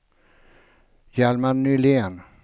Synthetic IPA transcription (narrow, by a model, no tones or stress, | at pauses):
jalmanːyːlɪən